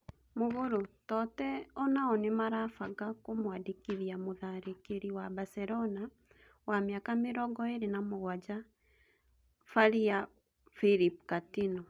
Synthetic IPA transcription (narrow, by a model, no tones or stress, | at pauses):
moβoɾotɔtɛɔnaɔnemaɾafaɡakomwadikiðjamoðaɾekeɾiwabasɛɾɔna | wameakameɾɔɡɔeɾenamoɣwad͡ʒa | faɾia | fiɾip̚katinɔ